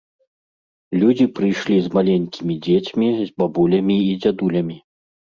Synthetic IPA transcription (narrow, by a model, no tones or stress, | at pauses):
lʲud͡zʲipɾɨjʂlʲizmalʲenʲkʲimʲid͡zʲet͡sʲmʲizbabulʲɐmʲiːd͡zʲad̪ulʲɐmʲi